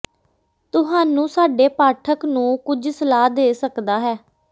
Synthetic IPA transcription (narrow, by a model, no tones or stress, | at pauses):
t̪ʊɦaːnũːsaːɖeːpaːʈʰəknũːkʊd͡ʒsəlaːd̪eːsəkd̪aːɦɛː